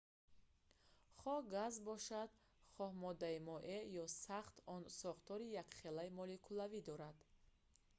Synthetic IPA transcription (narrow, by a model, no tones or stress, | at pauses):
χɔhɡazbɔʃad̪ | χɔhmɔd̪aimɔʔejɔsaχt̪ɔnsɔχt̪ɔɾijakχelaimɔlikʰulavid̪ɔɾad̪̥